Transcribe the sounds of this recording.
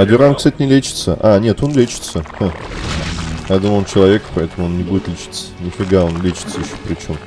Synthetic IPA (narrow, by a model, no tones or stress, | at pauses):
ɐdʲɪɾamkst̪atʲɪnʲɪlʲet͡ɕɪ̥t̪sə̰ʔanʲe̞t̪o̞nlʲet͡ɕɪ̥t̪səhə | jad̪umont͡ɕɪlˠɐvʲe̞kpɐɛt̪əmʊo̞nnʲɪbudʲɪt̪lʲɪt͡ɕi̥t̪sə̥nʲɪfʲɪɡd̪ao̞nlʲet͡ɕɪ̥t̪səjɪɕːo̥pɾʲɪt͡ɕo̞m